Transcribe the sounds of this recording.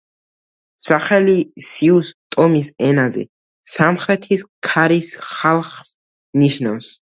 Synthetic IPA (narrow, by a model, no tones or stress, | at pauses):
saχɛlisiust̪ʼɔmisɛnazɛ̰ | samχɾɛt̪ʰiskʰaɾisχalˠχs | niʃnafs